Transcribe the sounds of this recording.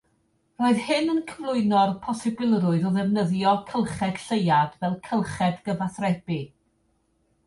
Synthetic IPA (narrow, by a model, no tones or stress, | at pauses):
roːɨðhɨnənkʰəvlˠʊɨnɔrpʰɔsɪbɪlˠrʊɨðɔðɛvnəðjɔkʰəlˠχɛd̥ɬejadvɛlˠkʰəlˠχɛdɡəvaθrɛbi